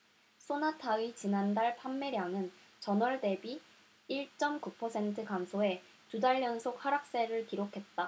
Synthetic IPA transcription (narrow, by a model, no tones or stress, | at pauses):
s͈ʰonatʰait͡ɕinandaɭpʰamːe̞ɾjaŋɯn | t͡ɕʌnʌɭde̞biː | ɭt͡ɕ͈ʌmkupʰʌsʰe̞ntʰɯkansʰoe̞ | tudaɭːʌnsʰok̚haɾak̚s͈e̞ɾɯɭkiɾokʰe̞t̚t͈a